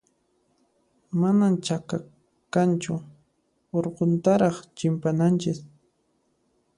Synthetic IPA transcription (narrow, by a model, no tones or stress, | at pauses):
manamt͡ʃaka | kant͡ʃʊ | oɾqont̪aɾɑχt͡ʃɪmpanant͡ʃɪs